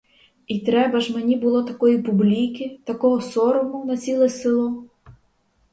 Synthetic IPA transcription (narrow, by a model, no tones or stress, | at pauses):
it̪ɾɛbɐʒmenʲibʊlˠɔt̪ɐkɔjipublʲikʲit̪ɐkɔɦɔsɔɾɔmʊnɐt͡sʲilˠɛsɪlˠɔ